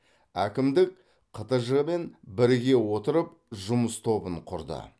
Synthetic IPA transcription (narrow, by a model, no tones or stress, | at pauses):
ækʲɪmd̪ɪk̚ | qʰət̪əʒəʁme̞nbɪɾɡʲe̞wo̞t̪əɾəp̚ | ʒʊməst̪ʰo̞bəɴqʰʊɾd̪ə̰